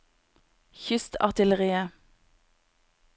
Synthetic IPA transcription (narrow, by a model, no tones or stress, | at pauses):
çʏst̪ʰɑ̰ʁt̪ɪləʁiːə